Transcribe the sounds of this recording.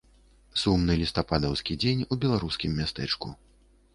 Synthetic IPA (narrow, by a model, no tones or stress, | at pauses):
sumnɨlʲist̪apad̪ɐwskʲid͡zʲenʲubʲɛlˠaɾuskʲimːʲast̪ɛt͡ʂkṵ